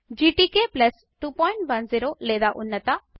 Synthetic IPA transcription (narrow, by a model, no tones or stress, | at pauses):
d͡ʒiːʈiːkeplɐs | ʈuːpɔ̃ːɪɳʈʋɐnziːɾoleːd̪aʔʊnːət̪a